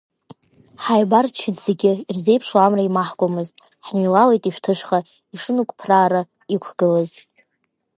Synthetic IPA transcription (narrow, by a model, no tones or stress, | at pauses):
ħajbart͡ʃʰɪdz̥e̞ɡʲɪirze̞jpʰʂwamraimaħkʷʼamɨztʼ | ħnilalejtʼiʃᶣtʰɨʂχa | iʂɨnukʷʼpʰraːɾa | ikʷʰɡ̥ɨlaz